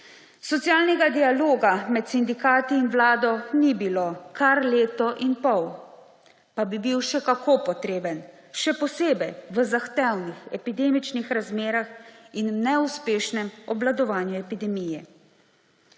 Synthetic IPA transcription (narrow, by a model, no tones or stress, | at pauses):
sɔt̪jaːlnɛɡad̪ialoːɡamɛt̪sind̪ikaːt̪iːnʋlaːd̪ɔnibilokaɾleːt̪ɔʔinpɔw | pabibiwʃɛkakʰopɔt̪ɾeːbən | ʃɛpɔseːbɛjʋəzaxt̪ɛwnixɛpid̪eːmit͡ʃnixɾazmeːɾaxinnɛuspeːʃnɛmɔblad̪ɔʋaːnjuɛpid̪ɛmijɛ